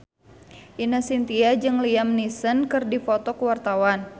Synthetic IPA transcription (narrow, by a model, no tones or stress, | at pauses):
ʔinasint̪iad͡ʒɨŋliamnisənkɨrdifot̪ɔkəwart̪awan